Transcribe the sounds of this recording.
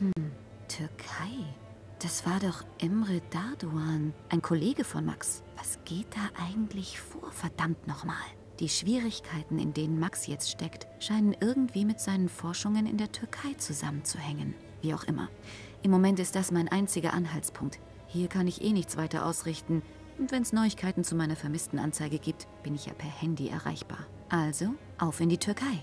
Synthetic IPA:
hm̩ | tʰʏɐkʰaɪ | d̥asv̥aːɐdɔχʔɛmʁedaɐduaːnʔaɪnkʰoleːɡəfɔnma̰ks | v̥asɡ̥eːt̚d̥aːʔaɪɡŋ̩tʰlɪçfoːɐfɛɐd̥amtnɔχma̰ːl | d̥iːʃv̥iːʁɪçkʰaɪtn̩ɪ̰ndeːnənmaksjɛt͡stʃtɛktʃaɪnənʔɪɐɡŋ̩tv̥iːmɪtz̥aɪnənfɔɐʃʊŋənɪ̰ndeːɐtʰʏɐkʰaɪt͡suza̰mənt͡suhɛŋən | viːaʊxʔɪ̰mɐ̰ | ʔɪmːomɛntɪst̚d̥asmaɪnʔaɪnt͡sɪɡɐ̰ʔanɦaltspʰʊŋk̚t | hiːɐkʰanɪçʔḛːnɪçt͡sv̥aɪtɐ̰ʔa̰ʊsʁɪçtn̩ | ʔʊntv̥ɛnɛsnɔʏɪçkʰaɪtn̩t͡sumaɪnɐfɛɐmɪstn̩ʔa̰nt͡saɪɡəɡiːp̚tb̥ɪnɪçja̰ːpʰɛɐhɛndiʔɛ̰ɐʁa̰ɪçb̥a̰ːɐ | ʔalzo | ʔaʊfɪndiːtʰʏɐkʰaɪ

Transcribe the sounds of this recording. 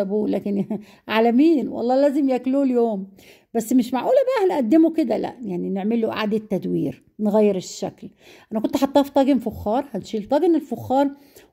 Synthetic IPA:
æbuːlæːkɪn | ʕaːlæmiːnwɑ̰lˤːɑːlæːzɪmjækluːljoːm | bæsːmɪʃmaʕʔuːlæbæhnʔæd̪ːɪmukɪd̪ælæ̰ʔjaʕninɪʕmɪlːoʔa̰ʕd̪et̪ːæd̪wḭːɾ | nɣæjːɪɾɪʃːæ̰kl | ʔænækont̪ħɑt̪ˤːɑːft̪ˤɑːɡɪnfʊxːɑːɾˤhænʃiːlt̪ˤɑːɡɪnɪlfʊxːɑːɾˤ

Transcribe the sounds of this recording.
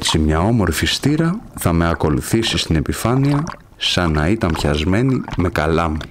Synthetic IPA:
t͡simɲɐo̞mo̞ɾfist̪iɾɐθɐme̞ɐko̞luθisist̪ine̞pifɐniɐ | sɐnɐit̪ɐmpçɐzme̞nime̞kɐlɐmu

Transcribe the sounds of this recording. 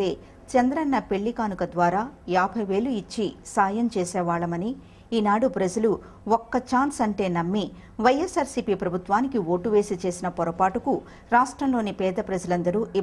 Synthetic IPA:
eː | t͡ʃɐnd̪ɾɐnːɐpe̞ɭːikaːnukɐd̪ʋaːɾaːjaːbʱɐjʋe̞ːluit͡ʃːisaːjɐmt͡ʃeːsɛːʋaːɭɐmɐni | iːnaːɽupɾɐd͡ʒɐlu | ɔkːɐt͡ʃaːnsɐɳʈe̞ːnɐmːi | ʋɐjesaːɾsipiːpɾɐbʱut̪ʋaːnikio̞ːʈuʋe̞ːsit͡ʃe̞ːsinɐpɔɾɐpaːʈuku | ɾaːʂʈɾɐmlo̞ːnipɛːd̪ɐpɾɐd͡ʒɐlɐnd̪ɐɾuːi

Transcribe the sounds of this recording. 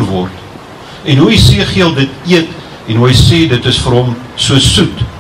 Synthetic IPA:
rvɔrt | ɛnɦuisiəχiəlˠdətiət | ɛnɦuɦəjsɛːdətəsfəɾɦɔmsuəsut

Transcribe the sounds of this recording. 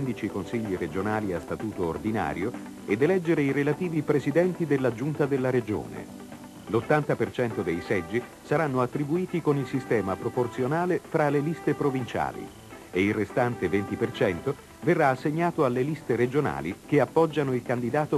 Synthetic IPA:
nd̪it͡ʃikonsiʎːiɾed͡ʒonaːliast̪at̪uːt̪o̰ːrd̪ina̰ːɾjo | ed̪elɛd͡ʒːeɾeiɾelat̪iːvipɾezid̪ɛnt̪id̪elːad͡ʒunt̪ad̪elːaɾed͡ʒo̰ːnḛ | lot̪ːant̪apert͡ʃɛnt̪od̪ejsɛd͡ʒːi | saɾanːoat̪ːɾibuiːt̪ikonilsist̪ɛːmapɾoport̪sjonaːlefɾalelist̪epɾovint͡ʃa̰ːlḭ | eilrest̪ant̪event̪ipert͡ʃɛnt̪o | verːaːsːeɲːaːt̪oalelist̪eɾed͡ʒona̰ːlḭkeapːɔd͡ʒːanoilkand̪id̪aːt̪o

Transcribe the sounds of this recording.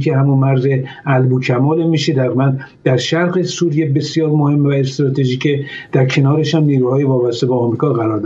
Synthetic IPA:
kʲʰehæmunmæɾzeælbucʰæmɒːlemiːʃed̪æɣimænd̪d̪̥æɾʃæɾɣesuːɾijebe̞sjɒːɾmohe̞mːvæest̪ɾɒːt̪ʰeʒiːcʰed̪̥æɾkʰe̞nɒːɾeʃhæmniːɾuːhɒːjevɒːbæst̪e̞bɒːmɾiːkʰɒːɣæɾɒːɾd̪

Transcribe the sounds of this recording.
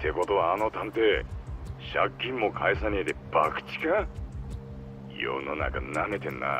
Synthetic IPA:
t̪ʰe̞ko̞t̪oβaːno̞t̪ãnt̪e̞ | ɕakʲːĩmːo̞kʰaesaɲ̟ied̪eb̥akɯ̟̥t͡ɕi̥ka | jo̰no̞na̰ka̰nane̞t̪ẽ̞nːa̰

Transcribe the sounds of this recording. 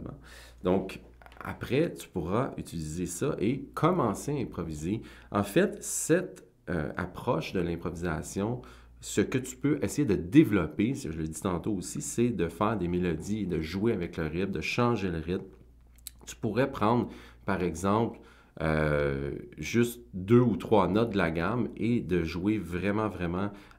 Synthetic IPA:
mã̰ | d̪ɔ̃k | a̰pʁɛt̪y̥puʁaʔyt͡s̪ilizesʌʔekʰɔmɑ̃seaɛ̃pχɔvize | ɑ̰̃fɛt̪sɛt̪ | ø̰a̰pχɔʃd̪əlɛ̃pχɔviza̰sjɔ̃ | səkət̪y̥pøʔɛsejed̪əd̪evlɔpesəʒələd̪it̪ɑ̃t̪oosisɛd̪əfɛːʁd̪emelɔd̪ied̪əʒweavɛkləʁɪt̪̚d̪əʃɑ̃ːʒeləʁɪt̪̚m | t̪y̥puʁɛpʁɑ̃ːd̪ʁ | paʁɛɡzɑ̃pl | ø | ʒʏst̪d̪øut̪χwɑnɔt̪̚d̪əlaɡʲamed̪əʒwevʁɛmɑ̃vʁɛmɑ̃

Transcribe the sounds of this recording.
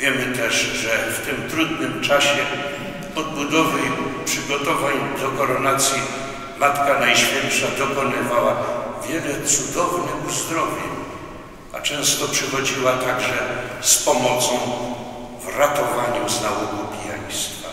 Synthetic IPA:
vʲjɛmɘt̪ɛʂʐɛft̪ɪmt̪ɾud̪nɘmt͡ʂaɕɛ | ɔd̪̚bud̪ɔvɘpʂɘɡɔt̪ɔvaɲd̪ɔkɔɾɔnat̪sʲji | mat̪kanajɕfʲjɛnpʂad̪ɔkɔnɪvawavʲjɛlɛt̪sud̪ɔvnɪxuzd̪ɾɔvʲjɛ | a̰t͡ʂɛ̃w̃st̪ɔpʂɛxɔd͡ʑiwat̪aɡʐɛspɔmɔt̪sɔ̃w̃ | vɾat̪ɔvaɲuznawɔɡɔpʲija̰j̃st̪fa̰

